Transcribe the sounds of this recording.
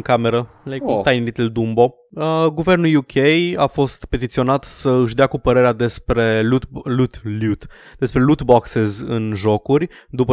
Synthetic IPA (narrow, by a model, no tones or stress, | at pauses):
kame̞ɾə | lt̪ajnilit̪eld̪umbo̞ | əɡuve̞rnuljukʲʰejafo̞st̪pe̞t̪it̪sio̞nat̪səɨʃ̬d̪eakupəɾe̞ɾead̪espɾeut̪lut̪lut̪ | d̪e̞spɾe̞lut̪boksezɨnʒo̞kurʲ | d̪upə